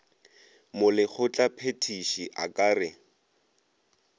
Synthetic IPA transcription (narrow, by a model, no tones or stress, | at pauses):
mʊlɪk͡xʰʊt͡ɬʼapʰetʰiʃiʔa̰kʼaːrɪ